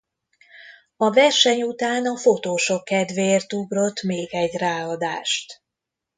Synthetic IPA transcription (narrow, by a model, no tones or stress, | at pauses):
ɒvɛrʃɛɲut̪aːnɒfo̞t̪oːʃokːɛd̪ʋeːrt̪ubro̞t̪ːmeːɡɛɟraːɒd̪aːʃt̪